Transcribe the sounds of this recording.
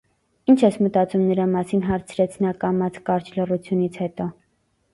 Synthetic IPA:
int͡ʃʰɛsmət̪ɑt͡sumnəɾɑmɑsinɦɑɾt͡sʰɾɛt͡sʰnɑkɑmɑt͡sʰkɑɾt͡ʃʰlərut͡sʰjunit͡sʰhɛt̪ɔ

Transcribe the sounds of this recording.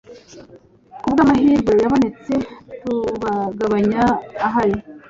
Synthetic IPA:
kubɡaːmaɦiːɾɡwe̞jaβo̞net͡se̞tuβaɡaβaɲaːɦaje

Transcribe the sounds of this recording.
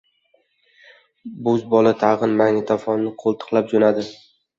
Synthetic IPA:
bʊzbɒlˠat̪ʰɑʁɨnmaŋnɪt̪ʰafɒnːɪqʰolˠt̪ʰɨ̥qlˠap̚d͡ʒonad̪ɪ

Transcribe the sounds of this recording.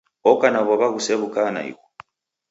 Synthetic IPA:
ɔkanaβɔβaɣusɛβukana̰ḭkɔ

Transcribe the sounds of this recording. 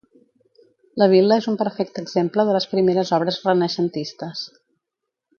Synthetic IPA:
ləβ̞iləezumpəɾfɛk̚t̪əɡzempləðələspɾimeɾəzɔβɾəzrənəʃənt̪ist̪əs

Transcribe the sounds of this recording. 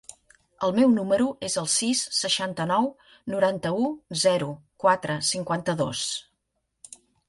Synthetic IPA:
əlˠmɛwnuməɾuʔezəlˠsisːəʃant̪ənɔw | nuɾant̪əuzɛɾu | kwat̪ɾəsiŋkwant̪əðo̰s

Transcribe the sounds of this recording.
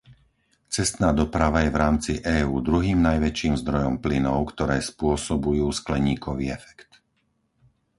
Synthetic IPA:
t͡sɛst̪naːd̪ɔpɾaʋajɛvɾaːmt͡siʔɛːuːd̪ɾuɦiːmnajʋɛt͡ʃiːmzd̪ɾɔjɔmplinɔʊkt̪ɔɾɛːspʊɔsɔbujuːsklɛɲiːkʰɔʋiːɛfɛ̥kt̪

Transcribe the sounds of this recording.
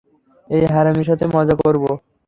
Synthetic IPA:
ejɦaɾamiʃ̬ɔt̪ʰemɔd͡ʑakoɾbo

